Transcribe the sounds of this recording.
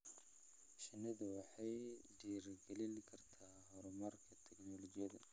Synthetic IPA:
ʃɪnɐðɐwɑħɑjɖiːrɡɛlɪnkʰɐrt̪ʰaːɦɔɾɔmɐrkʰɐt̪ʰɛknɔlɔt͡ʃɪjɐðɐ

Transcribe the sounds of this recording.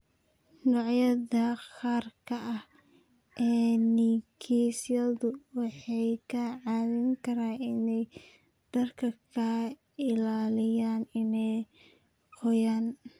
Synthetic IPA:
nɔʕjɐðɐχaːrkʰɐʔɐh | ʔɛːnikʰisɐðʊwɑħɑjkʰɐʕɑːðɪŋkʰɐɾaːɪnɛj | d̪̥ɐrkʰɐkʰɐ | ɪlaːlɪjaːnɪnɛj | qɔjaːn

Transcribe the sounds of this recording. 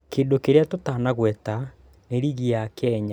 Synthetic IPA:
keːndokeɾeatotaːnaɣwɛta | neɾiɣiakɛɲa

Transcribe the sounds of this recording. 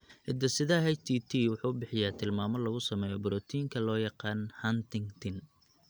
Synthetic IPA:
ʔɪd̪ɐsɪðɐɦɛjt̪ʰiːt̪ʰiːwʊħuːbɪħɪjaːt̪ʰɪlmaːmɔlɐɣʊsɐmɛːjɔbʊɾɔːt̪ʰiːŋkʰɐlɔːjɑqɑːnhɐnt̪ɪŋt̪ʰɪn

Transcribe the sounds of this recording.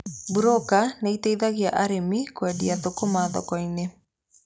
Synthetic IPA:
buɾokaneiteiðaɣiaʔaɾemikwɛdiaðokomaːðɔ̰kɔine

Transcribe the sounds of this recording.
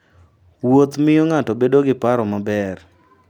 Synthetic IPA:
wot̪mɪjoŋatɔbedoɡɪpaɾɔmabɛr

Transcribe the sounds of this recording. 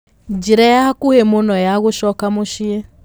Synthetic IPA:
d͡ʒiɾajahakuhemonɔjaɣoʃɔkamoʃie

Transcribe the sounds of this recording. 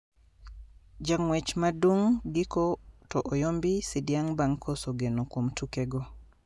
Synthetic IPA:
d͡ʒaŋwɛt͡ʃmaduŋɡikɔtɔʔɔjombisidjaŋbaŋkʰɔsoɡenokwomtʰukeɡɔ

